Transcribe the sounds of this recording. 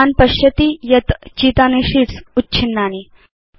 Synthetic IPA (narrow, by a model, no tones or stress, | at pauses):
anpɐɕjɐt̪ijɐt̪t͡ɕiːt̪aniʂiʈsutːɕʰinːani